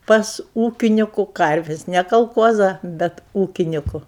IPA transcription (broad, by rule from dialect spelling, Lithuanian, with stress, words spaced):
pɐs ˈuːkʲɪnʲɪkʊ ˈkɐrʲʋʲɪsʲ nʲɛ kɐlˠˈkuɔzɐ bʲɛt ˈuːkʲɪnʲɪkʊ